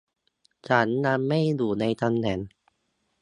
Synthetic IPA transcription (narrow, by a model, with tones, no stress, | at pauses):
t͡ɕʰa˦˥nːa˧mːa˥˩jduː˨˩na˧jt̪a˧mnɛ˨˩˦n